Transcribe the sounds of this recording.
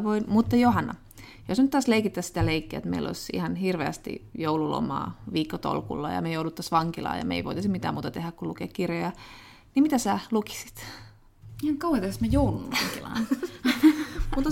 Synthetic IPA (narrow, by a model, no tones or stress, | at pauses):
ʋoimut̪ːɑjoɦɑnːɑ̰ | josnyt̪t̪ːɑːsleikit̪ːæssit̪æleikːeæːḛt̪mḛilo̰isḭhɑnhirʋeæst̪ḭjoululo̰mɑ̰ːʋiːkːot̪o̰lkṵlːɑ̰jɑ̰mejoudut̪ːɑsʋɑŋkilɑ̰ːjɑ̰mḛiʋo̰it̪ːˑɑsimit̪æːmuːt̪ɑt̪ehækkulukḛːkkirjojɑ | nimit̪æsæːluki̥si̥t̪ | ihɑŋkɑuhɑt̪ɑsmæjoulunʋɑ̰ŋkilɑ̰ːn | ut̪ːɑ